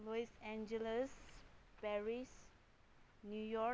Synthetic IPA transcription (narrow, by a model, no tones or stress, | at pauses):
lɔisɛ̃nd͡ʒələspɛɹis | njujɔ